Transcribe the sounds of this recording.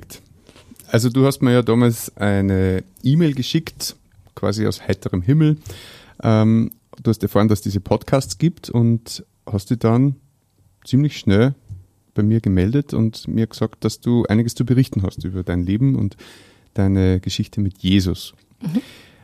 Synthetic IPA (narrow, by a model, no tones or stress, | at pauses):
t | ʔalzoduːhastmiɐjaːdaːmalsʔaɪnə | ʔiːmeɪlɡəʃɪkt | kʰv̥a̰ːzia̰ʊshaɪtəʁəmɦɪml̩ | ʔɛm | d̥uːhastəɐfaːɐʁəndasd̥iːzəpʰɔtkʰaːst͡sɡ̥iːptʰʊnt | hastd̥iːd̥an | t͡siːmlɪçʃnɛl | b̥aɪmiːɐɡəmɛldətʰʊ̰ntmʔiːɐɡ̥əz̥ɑːkt̚d̥asd̥uːʔa̰ɪnɪɡəst͡subəʁɪçtn̩ɦa̰stʔyːbɐdaɪnleːbm̩ʊ̰nt | d̥aɪnəɡ̥əʃɪçtəmɪtʰjeːzʊ̰s